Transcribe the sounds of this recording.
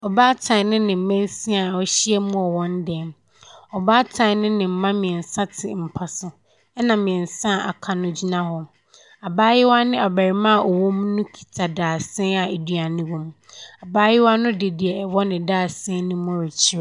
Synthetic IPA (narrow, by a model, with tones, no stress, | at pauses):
ɔ˨baː˦tʰã˨nʊ̃˦nɪ̃˨m̩˨mɛ̃˦n˦si˦a˨ɔ˦ɕi˦ɛ˦mũ˦ɔ˨wɔ̃˦n˦dɛ˨m | ɔ˨baː˦tʰã˨nʊ̃˦nɪ̃˨m̩˦mã˦mɪ̃˨ɛ˨n˨sa˦tʰɪ̰˨m̩˨pʰa˨sʊ˨ | ɛ˦nã˨mɪ̃˨ɛ˨n˨sã˦˨ʔa̰˨kʰa˨nʊ̃˦d͡ʑi˦nã˦hɔ˨ | a˨baː˦jɪ˦wa˦nɪ̃˦a˨bæ˨ɾi˨mã˦˨ʔɔ˨wɔ̃˦m˦nʊ̃˦kʰi̥˨tʰa˨daː˨sɛ̃˦a˨e˨du˦a˨nɪ̃˦wɔ̃˦m | a˨baː˦jɪ˦wa˦nʊ̃˦de˨di˨ɛ˨ɛ˨wɔ˦nɪ̃˨daː˦˨sɛ̃˦nʊ̃˦mɔ̃˦ɾɛ˨t͡ɕʰi˦ɾa˨